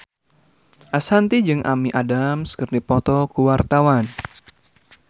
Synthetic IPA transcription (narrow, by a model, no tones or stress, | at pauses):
ʔasant̪id͡ʒɨŋʔa̰miʔadamskɨrdipɔt̪ɔkuwart̪awan